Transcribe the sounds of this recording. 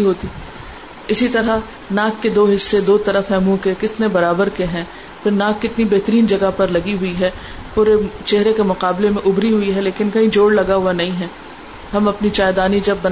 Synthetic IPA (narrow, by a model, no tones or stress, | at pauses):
ɦoːt̪i | ɪsit̪ɐɾa | naːkːed̪oːɦɪsːed̪oːt̪ɐɾəfɦɛ̃mũkekɪt̪nebɐɾaːbəɾkeɦɛ̃ː | pʰɪɾnaːkːɪt̪nibɛːɦt̪əɾiːnd͡ʒɐɡapɐɾlɐɡiɦʊiɦɛː | puːɾet͡ʃɛɦɾekemʊqaːblemẽʔʊbɾiɦʊiɦɛleːkɪnkɐɦĩd͡ʒoːɽlɐɡaɦʊanɐɦĩɦɛː | ɦɐmɐpnit͡ʃaːɪd̪aːnid͡ʒɐbːɐn